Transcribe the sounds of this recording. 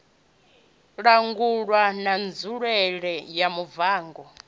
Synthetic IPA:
ɺaŋɡuɺwanand͡zuɺɛɺɛjamuvaːŋɡɔ

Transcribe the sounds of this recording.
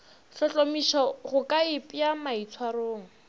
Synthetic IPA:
ɬɔt͡ɬʼomiʃɔɣʊkʼaɪpʼjjamait͡sʰwaroːŋ̩

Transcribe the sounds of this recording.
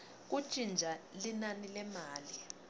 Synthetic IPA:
k̬u̥t͡ʃʼind͡ʒʱalinanilɛmaːli

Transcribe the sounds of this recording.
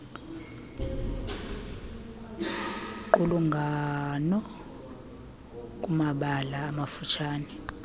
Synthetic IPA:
ǃuluŋɡʱanɔ | k̬ʼumaɓalaːmafut͡ʃʰaːnɛ

